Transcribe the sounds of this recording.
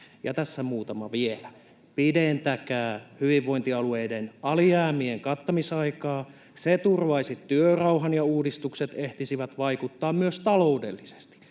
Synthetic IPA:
jɑ̰t̪æsːæmuːt̪ɑmɑʋielæ | pident̪ækæːhyʋiʋːo̞int̪iɑlueidenɑliæːmieŋkɑt̪ːɑmisɑikɑː | set̪urʋɑisit̪yørɑuɦɑnjɑuːdist̪ukset̪eht̪isiʋæt̪ʋɑikut̪ːɑːmmyøst̪ɑloudḛlːise̥st̪i̥

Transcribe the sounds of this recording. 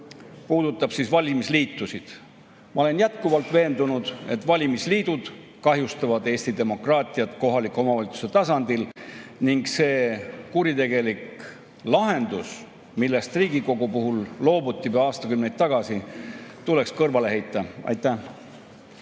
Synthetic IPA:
puːd̪̥ut̪ːˑɑb̥sisvɑlʲimisliːt̪ːˑusid̪̥ | mɑo̞le̞njæt̪kuvɑlt̪ˑve̞ːnd̪unud̪̥e̞̰t̪ːˑvɑlʲimisliːd̪ud̪̥ | kɑɦjust̪ɑvɑd̪e̞ːsʲt̪id̪e̞mo̞krɑːt̪ʲˑiɑt̪ko̞ɦɑlikːˑeo̞mɑvɑlʲit̪su̥set̪ɑsɑnd̪̥ilniŋɡse̞ːkuɾit̪e̞ɡ̥e̞lik | lɑɦe̞nd̪̥us | milːe̞st̪riːɡiko̞ɡupuɦulːo̞ːbut̪ʲːˑivɑɑːst̪ɑkymnejt̪t̪ːɑɡ̥ɑsit̪ule̞kskɤrvɑle̞ɦe̞jt̪ːˑɑɑ̰jt̪ˑːæ

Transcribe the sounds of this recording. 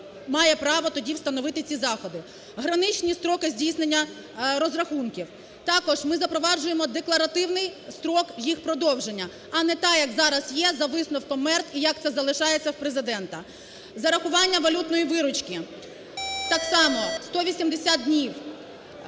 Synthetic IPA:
mɑjɛpɾɑʋɔt̪ɔdʲiwst̪ɐnɔʋɪt̪ɪt͡sʲizɑxɔd̪ɪ | ɦɾɐnɪt͡ʃnʲist̪ɾɔkɪzʲdʲijsnenʲːɐ | ɾɔzrɐxunkʲiw | t̪ɑkɔʒmɪzɐpɾɔʋɑd͡ʒʊjemɔd̪eklˠɐɾɐt̪ɪwnɪjst̪ɾɔkjixpɾɔd̪ɔwʒenʲːɐ | ɐnɛt̪ɑjɐkzɑɾɐsjɛzɐʋɪsnɔwkɔmɛrt̪ijɐkt̪sɛzɐlˠɪʃɑjet͡sʲːɐwpɾezɪd̪ɛnt̪ɐ | zɐɾɐxʊʋɑnʲːɐʋɐlʲut̪nɔjiʋɪɾʊt͡ʃkʲi | t̪ɑksɑmɔst̪ɔʋʲisʲimd̪esʲad̪̚dʲnʲiw

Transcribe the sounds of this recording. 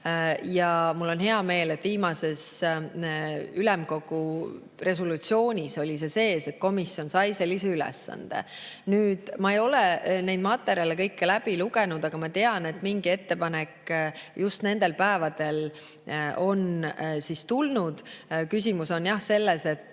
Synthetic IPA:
jɑmulːo̞nɦe̞ɑme̞ːlet̪viːmɑse̞s | ylɛmko̞ɡ̥u | re̞s̬olut̪sio̞ːnʲiso̞lʲise̞se̞ːse̞t̪̚ko̞misio̞nsɑjse̞lːise̞ylɛ̰sːɑ̰nd̪̥ḛ | nyːd̪̥mɑejo̞lenejd̪mɑt̪ˑːe̞ɾjɑlekɤjkːelæb̥iluɡ̥e̞nud̪̥ɑɡ̥ɑmɑt̪e̞ɑne̞t̪ːmiŋɡ̥ie̞t̪ːe̞pɑnekːjust̪ne̞nd̪̥e̞lpæevɑd̪̥e̞l | o̞nsist̪ulnud̪̥kys̬ʲimuso̞njɑhse̞lːese̞t̪ːˑ

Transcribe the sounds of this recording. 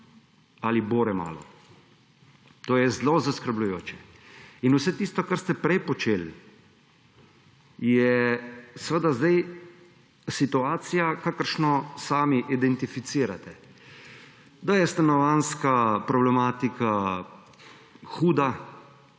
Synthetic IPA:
aliboːɾɛma̰ːlɔ̰ | t̪oːjɛzlozaskəɾblujoːt͡ʃɛ | inusɛt̪ist̪ɔkaɾst̪ɛpɾɛjpɔt͡ʃeːl | jɛ | səʋəd̪azd̪aj | sit̪uaːt̪sijakakəɾʃnɔsaːmiʔid̪ɛnt̪ifit̪siːɾa̰t̪ɛ | d̪ajɛst̪anɔʋanskapɾɔblɛmaːt̪ika | xuːd̪a

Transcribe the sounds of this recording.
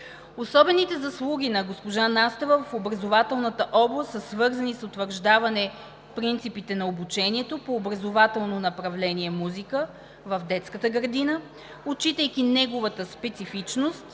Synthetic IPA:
osɔbɛnit̪ɛzɐslˠuɡ̟ʲinɐɡospoʒanast̪ɛvəvɐfobɾɐzovat̪ɛlˠnət̪əʔɔblˠəsəsvɤɾzɐnisot̪vəɾʒd̪avɐnɛ | pɾint̪sipit̪ɛnɐobut͡ʃɛniɛt̪opoːbɾɐzovat̪ɛlˠnonɐpɾɐvlɛniɛmuzikə | vɐvd̪ɛt̪skət̪əɡəɾd̪inə | ot͡ʃit̪əjkinɛɡovət̪əspɛt̪sifit͡ʃnost̪

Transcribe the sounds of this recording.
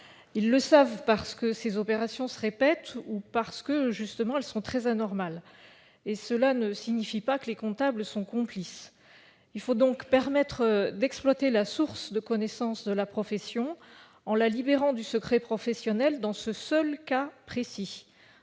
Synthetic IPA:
ilːəsavpaʁsə̥kəsezɔpeʁasjɔ̃səʁepɛt̪upaʁsə̥kəʒyst̪əmɑ̃ɛlsɔ̃t̪χɛzanɔʁmal | esəlanəsiɲifipakəlekɔ̃t̪abləsɔ̃kɔ̃plis | ilfod̪ɔ̃kpɛʁmɛt̪χəd̪ɛksplwat̪elasuʁsd̪əkɔnɛsɑ̃sd̪əlapχɔfɛsjɔ̃ | ɑ̃lalibeʁɑ̃d̪ysəkχɛpχɔfɛsjɔnɛld̪ɑ̃səsœlkapχesi

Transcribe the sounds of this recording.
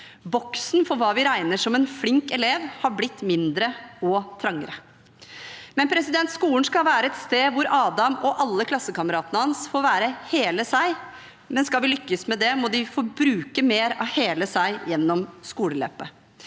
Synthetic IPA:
bɔksnfɔɾʋɑːʋɪɾæɪnəʂɔmɛnflɪŋkɛleːʋhɑɾblɪt̪ːmɪnd̪ɾəɔt̪ʰɾɑŋːə̰ɾə | mɛnpʰɾɛsɪd̪ɛnt̪skuːlənskɑlʋæːɾəɛt̪st̪eːʋʊɾɑːd̪ɑmɔʔɑlːəkʰlɑsːəkɑməɾɑːt̪ənəhɑnsfoːɾʋæːɾəheːləsæɪ | mɛnskɑlʋɪlʏkːəsmɛd̪ɛmɔd̪ɪfɔɾbɾʉːkəmeːɾɑ̰heːləsæɪjɛnːɔmskuːləlø̰ːpə

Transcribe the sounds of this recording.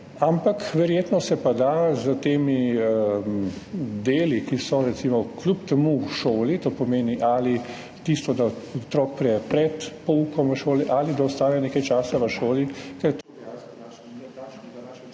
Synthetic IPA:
ampakʋɛɾjeːt̪nɔsɛpad̪azət̪eːmiəmd̪eːlikisɔɾɛt̪simɔklupt̪ɛmuʃoːlit̪oːpɔmeːniʔaːli | t̪ist̪ɔd̪aɔt̪ɾɔːk̚pɾɛjɛpɾɛt̪pɔukɔmʋəʃoːliʔalid̪aɔst̪aːjɛneːkajt͡ʃaːsaʋəʃoːlikɛɾt̪

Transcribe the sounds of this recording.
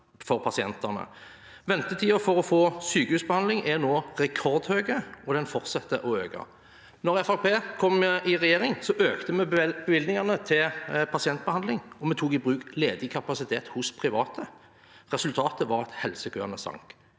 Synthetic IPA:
fɔʁpʰɑsɪɛnt̪ɑnə̰ | ʋɛnt̪ət̪ʰiːəfɔʁɔfoːsyːkəhʉːsbəhɑnd̪lɪŋʔɛnoːʁɛkʰɔʁd̪høːɡəɔd̪ɛnfɔʁt̪sɑt̪ːəʔɔøːɡɑ̰ | nɔʁɛfɑʁpʰeːkʰɔmːɪʁɛjeːʁɪŋsɔʔøːkt̪əmɛbəʋɪlɪŋɑʁnət̪ʰɪlpʰɑsɪɛnt̪̚bəhɑnlɪŋɔmɛt̪ʰuːkɪbʁʉːkleːd̪ɪkʰɑpɑsɪt̪ʰeːt̪hʊspʰʁɪʋɑːt̪ʰə | ʁɛsʉlt̪ʰɑːt̪əʋɑʁɑt̪hɛlsəkʰøːnəsɑ̰ŋk

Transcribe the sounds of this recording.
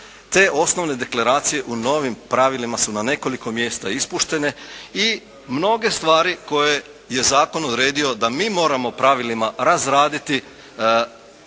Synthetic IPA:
t̪e̞ːʔo̞sno̞ʋne̞d̪e̞klˠaɾaːt̪sije̞ʔuno̞ʋimpɾaʋilimasunane̞ko̞liko̞mje̞ːst̪aispuʃt̪e̞ne̞i | mno̞ɡe̞st̪ʋaːɾiko̞je̞ | je̞zaːko̞nod̪ɾe̞ːd̪io̞d̪amiːmo̞ːɾamo̞pɾaʋilimaɾazɾaːd̪it̪i

